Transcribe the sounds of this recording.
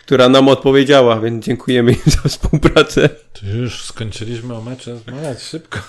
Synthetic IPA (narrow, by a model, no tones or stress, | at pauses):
kt̪uɾanamɔt̪̚pɔvʲjed͡ʑawavʲjɛnzd͡ʑɛŋkʰujɛmɘzafspuwpɾat̪sɛtɔjuʂskɔɲt͡ʃɘlʲiɕmɘɔmɛt͡ʂazmaɡʲat͡ɕʂɘpkɔ